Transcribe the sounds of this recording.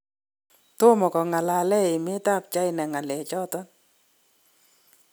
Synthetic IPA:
to˦mɔ˨kɔ˨ŋa˨la˨lɛ˦ɪ˨mɪ˦ta˦˨p̚t͡ʃa˦ɪ˦nɛ˨ŋa˨lɛ˨t͡ʃɔ˦tɔ˦n

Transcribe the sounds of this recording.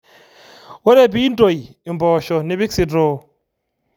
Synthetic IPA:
wo˦ɾe˦˨bi˦n˦do˨ji˨mbɔ˨ʃɔ˨ni˦bi˦ksi˨dɾoː˦

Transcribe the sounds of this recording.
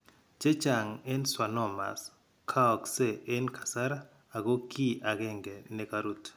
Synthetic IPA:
t͡ʃe˦t͡ʃa˨ŋɛ˦nswa˨nɔ˦˨ma̰˨s | kʰa˦ɔ˨kse˦˨ʔe˦nkʰa˨sa˦ɾaː˦˨ | ɡo˦kʰi˦ʔa˨ɡɛ˦ŋɡɛ˨nɛ˦ka˦ɾu˦t

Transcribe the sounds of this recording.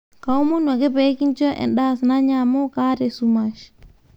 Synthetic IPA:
ka˨u˦mo˦nwa˨ɡe˦pe˦ki˦nt͡ʃɔ˦ʔɛ̰˨nɗa˦˨sna˦ɲamo˦ka˦te˨suma˨ʃ

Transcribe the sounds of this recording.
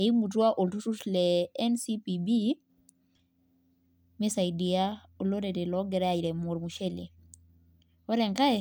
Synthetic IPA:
e˨i˦mu˨t̬u˦a˦ʔo˨ltu˦tu˦tlɛ˨ɛ˦nsi˦pi˨bi˦ | me˦sa˨i˨di˨a˦ | o˨lo˦ɾe˨te˨lɔ˦ɡɛ˨ɾa˦a˨i˨ɾɛ˨mo˨ɾmu˨ʃe˦lḭ˨ | o˦ɾɛ˨ŋka˦e˨

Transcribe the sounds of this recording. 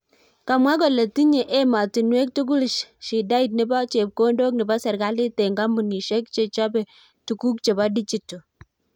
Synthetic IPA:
ka˨mwa˦k̬ɔ˨le˨ti˦ɲe˨ʔe˦ma˨ti˨nwe˦k̚tu˦ɡ̬u˦lʃʃi˨da˦i˨t̬̚nɪ˦bɔ˦t͡ʃe˨p̚ko˦ndo˦k̚nɪ˨ba˦sɛ˨ɾɡa˦lɪ˦te˨ŋɡa˦mu˨ni˨ʃɛ˦k̚t͡ʃe˨t͡ʃɔ˦bɛ˨ | tu˨ku˦k̚t͡ʃe˨ba˦di˦t͡ʃi˦tːo˨

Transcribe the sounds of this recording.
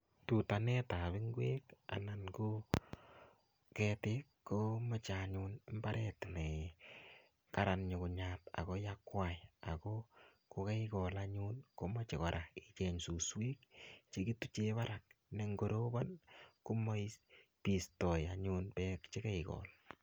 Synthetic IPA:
tu˨ta˨nɛ˦ta˨bɪ˦ŋɡwe˦ka̰˨na˨nko˦ | kɛtɪkːomɔ˦t͡ʃaɲunɪ˦mbaɾʔɛtnɛ˨ | ka˦ɾa˨nɲo˨kʊ˨ɲata̰˨kojakːwa˨ja˨ko | ko˨ka˦ikɔ˨la˦ɲu˦nko˦mɔ˦t͡ʃe˨kɔ˨ɾʔa˨it͡ʃɛ˨ɲsu˨swe˦kt͡ʃe˦ki˦tu˦t͡ʃe˦βa˦ɾa˨k̚ne˨ŋɡo˨ɾo˦ba˦nku˦mo˦pi˨stɔ˨ja˨ɲu˦npɛ˦kt͡ʃe˦ka˦ɪkɔ̰˨l

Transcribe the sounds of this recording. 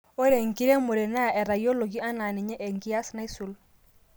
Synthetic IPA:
o˦ɾe˨ŋ˨ki˦ɾe˦mo˨ɾe˨na˦˨ɛ˨ɾa˨jo˦lo˨ɡi˦a˦na˨ni˨ɲɛ˦ʔe˨ŋki˦a˦sna˦i˦su˨l

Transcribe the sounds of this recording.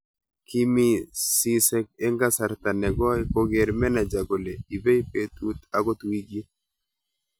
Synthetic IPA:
ki˦mi˦si˦sɛ˦k̚e˦ŋɡa˦sa˨ɾt̪a˨nɛ˨ɡɔ˦jko˦ɡe˨ɾmɛ˦na˨d͡ʒa˨ɡo˨le˨i˨be˦ipe˦t̪u˦t̪a˨ɡɔ˦t̪u˨i˦ɡi˦

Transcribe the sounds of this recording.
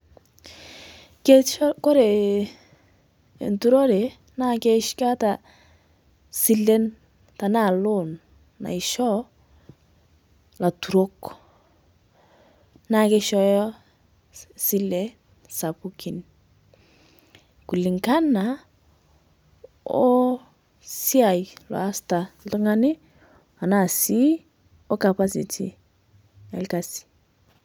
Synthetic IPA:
ke˦kɔ˦ɾe˨ | ntu˦ɾo˦ɾɛ˨ | na˦kɛ˦ʃka˦ta˨ | si˦lːe˦n | ta˨na˦˨lʊ˦nː | a̰˨i˨ʃɔ˦ | la˨tu˨ɾo˦k | na˦kɛ˦ʃɔ˦jɔ˦ | si˦lɛ˨ | sa˨pu˦kʰi˨n | ku˨lɪ˨ŋɡa˦na˨ | o˦ | si˦a˨i˨la̰˨a˦sta˨˦tɔ˦ŋa˦nɪ˦ | a˨na˨si˦ | o˦ka˨pa˦sḭ˨tʰḭ˨ | a˨lka˨si̥˨

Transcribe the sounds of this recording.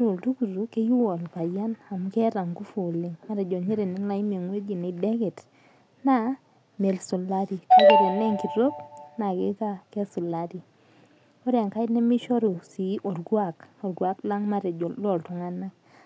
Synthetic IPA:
ɾʊ˨ltu˦ɡu˨ɾu˨˦ke˦ju˦ɔ˨lpa˨d͡ʒa˦na˨mkɛ˦ɾa˨ŋɡu˦fu˨lɪ˨ŋma˦ɾɛ˨d͡ʒɔ˨ɲe˦ɾe˨ne˦ŋla˦i˦m˨e˨ŋwe˦d͡ʒi˨ne˨dɛ˦ɡɛ˨t | na˦ | me˨lsʊ˨la˦ɾi˨ka˦ɡe˦ɾe˨nɛ˦ŋki˨ɾo˦pna˨ɡɪ˦ka˦kɛ˦sʊ˨la˦ɾi˨ | o˦ɾa˨ŋka˦ɪ˦tnɛ˦mi˦ʃɔ˦ɾu˨si˨˦ʔo˨dɡwa˦˨kɔ˨dɡwa˦kla˦ŋma˦ɾɛ˨d͡ʒɔ˨lɔ˨ltʊ˨ŋa˦na˦k

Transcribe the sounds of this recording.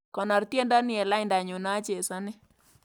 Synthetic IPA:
kɔ˨nɔ˨ɾt̪je˦ndɔ˦nɪ˦ɛ˨la˦ɪnda˨ɲʊ˨nɔ˦a˦t͡ʃe˨sa˦nɪ˦

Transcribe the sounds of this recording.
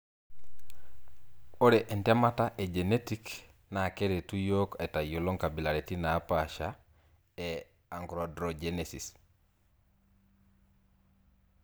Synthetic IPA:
o˦ɾe˨ʔɛ˨ntɛ˦ma˦ta˦ʔɛd͡ʒe˨netikna˨ke˦ɾe˨tu˦jo˦kɛ˨ta˨ju˨lo˦ŋka˨bi˨la˨ɾeti˦naː˨˦paʃa | ɛ | a˨ŋɡɾɔdɾɔd͡ʒenesḭ˨s

